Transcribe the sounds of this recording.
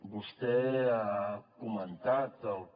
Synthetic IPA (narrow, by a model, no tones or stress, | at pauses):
bust̪eakumant̪at̪a